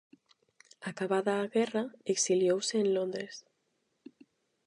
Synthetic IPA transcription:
akaβaðaːɣɛraeksiljowseːnlond̪ɾes

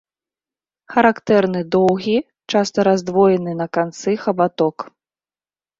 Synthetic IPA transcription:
xɐɾakt̪ɛrnɨd̪ɔwɣʲi | t͡ʂast̪ɐɾazd̪vɔjɛnɨnɐkant̪sɨxɐbat̪ɔk

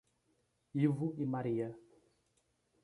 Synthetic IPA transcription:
ivuimaɾiɐ

